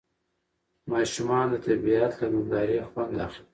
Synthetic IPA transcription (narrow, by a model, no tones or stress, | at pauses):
mɑʃumɑnd̪ət̪abiat̪lamʊmd̪ɑɾexwand̪axli